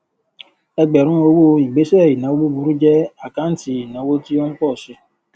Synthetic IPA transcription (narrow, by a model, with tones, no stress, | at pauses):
e˦ɡ͡be˨ɾũ˦o˦wu˦i˨ɡ͡be˦se˦˨ji˨na˨˦o˦ɡ͡bu˦bu˨ɾu˦d͡ʒe˦a˨ka˦n̩˦ti˨na˨˦wo˦ti˦o˦ŋ̩˦k͡pɔ˦˨sɪ˦